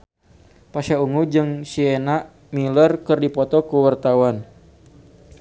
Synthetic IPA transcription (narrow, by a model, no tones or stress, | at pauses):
pasauŋud͡ʒɨŋsienaʔ | milərkɨrdipɔt̪ɔkuwart̪awan